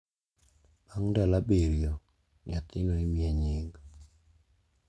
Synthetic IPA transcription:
aŋdɛlabeɾjo | ɲat̪ɪŋɔimjeɲɪŋɡ

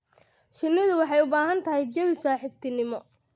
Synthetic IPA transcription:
ʃɪnːɪðʊwɑħɑjʊbaːɦɐnt̪ʰɐɦɛjd͡ʒɐwɪsaːħɪbt̪ʰɪnɪmɔ

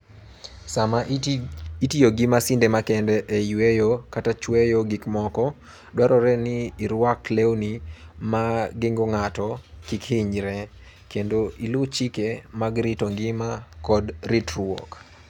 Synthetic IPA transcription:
sama | itijoɡimasɪndɛmakɛndɛʔejwejokatat͡ʃwejoɡɪkmɔkɔ | dwaɾɔɾɛnɪːɾwaklewnimaɡɪŋɡoŋatɔkikhɪɲɾɛ | kendoʔilʊt͡ʃikemaɡɾitoŋɡɪmakɔdɾitɾwo̰k

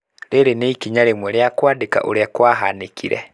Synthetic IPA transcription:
ɾeɾeneikiɲaɾemwɛɾeakwaːdeka̰ʔo̰ɾeakwaɦanekʰiɾɛ̰

